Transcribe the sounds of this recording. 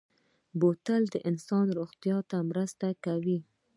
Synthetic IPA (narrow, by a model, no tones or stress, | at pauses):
bot̪əld̪əʔɪnsɑnɾʊxt̪ijɑt̪amɾəst̪akawi